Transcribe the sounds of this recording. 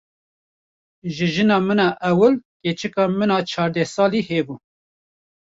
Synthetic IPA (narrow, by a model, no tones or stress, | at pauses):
ʒɨʒɨnɑːmɨnɑːʔɛwəlkeːt͡ʃɨkɑːmɨnɑːt͡ʃʰɑːɾd̪ɛsɑːliheːbu